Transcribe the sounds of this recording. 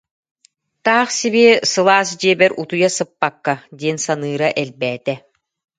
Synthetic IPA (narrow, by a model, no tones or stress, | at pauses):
t̪aːχsibiɛsɯlˠaːsd͡ʑiɛbɛɾʔut̪ujasɯpːakːad̪iɛnsanɯːɾaʔɛlbɛːt̪ɛ